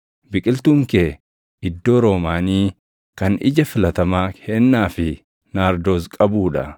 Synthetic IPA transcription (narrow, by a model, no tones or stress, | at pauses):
bɪkʼɪlt̪uːŋkeː | ɪd̪ːo̞ːɾo̞ːmaːniː | kɐnɪ̰d͡ʒɐfɪlɐt̪ɐmaːhɛnːaːfɪ | naːɾd̪o̞ːskʼɐbuːᶑɐ̰